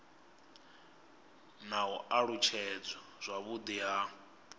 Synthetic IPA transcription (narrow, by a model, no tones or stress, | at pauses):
naɔaɺut͡ʃʰɛd͡zɔz̥ʷaβud̪iɦa